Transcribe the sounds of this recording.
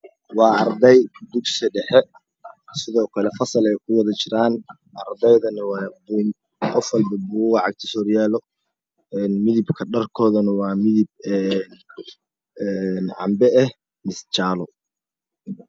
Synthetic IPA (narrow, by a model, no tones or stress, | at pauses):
wɑːɑrd̪ɛjd̪ʊɡsɐɖɛħɛ | sɪðɔːkʰɐlɛfɐsɐlɛjkʰʊwɑðɐt͡ʃɪɾaːn | ʔɐrd̪ɛjðɐnɐwɑːbʊn | qɔfwɑlbɐbuɣɑʕɑɡ̚t̪ʰɪsɔːrjaːlɔ | ɛnmɪðɪbkʰɐɖɐrkʰɔːðɐnɐwɑːmɪðɪb̚ɛn | ɛnʕɑ̰mbɛɛh | mɪst͡ʃaːlɔ